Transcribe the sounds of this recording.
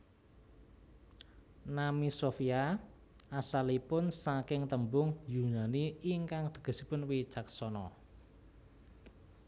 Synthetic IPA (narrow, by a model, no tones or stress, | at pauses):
namisofia | asalipʊnsakɪŋt̪əmbʊŋjunaniiŋkaŋd̪̥ə̤̥ɡ̥ə̤sipʊnwit͡ʃaksɔnɔ